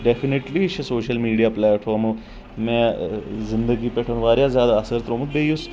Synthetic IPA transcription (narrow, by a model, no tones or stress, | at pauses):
ɖefʰineʈlit͡ʃʰsoːʃəlmiːɖijaːplɛːʈfʰaːɾmo | mɛ̃ːzɪnd̪əɡipeʈʰənʋaːɾjazjaːd̪aːsəɾt̪ɾõːmut̪̚beːjus